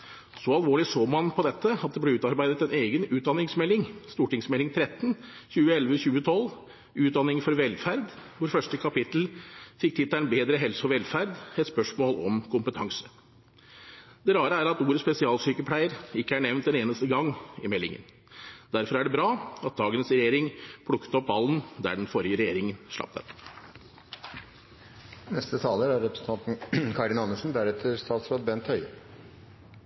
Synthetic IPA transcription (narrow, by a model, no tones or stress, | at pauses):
sɔɑlʋoːɭɪsoːmɑnpʰɔd̪ɛt̪ʰːəɑt̪̚d̪ɛblɛʉːt̪ɑɾbæɪd̪ət̪ɛneːɡənʉːt̪̚d̪ɑnːɪŋsmɛlːɪŋst̪uːʈɪŋsmɛlːɪŋt̪ʰɾɛt̪ːn̩çʉːəɛlʋəçʉːət̪ʰɔlː | ʉːt̪̚d̪ɑnːɪŋfɔɾʋɛlfæɾd̪ʋʊɾfœʂʈəkʰɑpɪt̪l̩fɪk̚t̪ʰɪt̪ːæɪnbeːd̪ɾəɦɛlsɔɾʋɛlfæɾd̪ɛt̪spœʂmoːlɔ̰mkʰʊmpət̪ʰɑŋsə̥ | d̪ɛɾɑːɾəæːɾɑt̪uːɾəspɛsɪɑːlsyːkəpʰlæɪəɾɪkːəæɳɛʋnt̪̚d̪ɛneːnəst̪əɡɑŋːɪmɛlːɪ̰ŋə̰n | d̪̥æɾfɔɾæɖɛbɾɑːɑt̪̚d̪ɑːɡənəsɾɛjeːɾɪŋpʰɽʊkːə̥t̪ɔpʋɑlːnd̪æ̰ɖɛnfɔɾjəɾɛjeːɾɪŋənʂɭɑ̰p̚t̪ʰə̰p | nɛst̪ət̪ʰɑːləɾæɾɾɛpɾə̥sn̩t̪ʰɑnt̪n̩kʰɑɖɪnɑnːəʂn̩d̪æɾɛt̪ʰːəɾst̪ɑːt̪sɾɑːt̪̚bɛnt̪hœʏ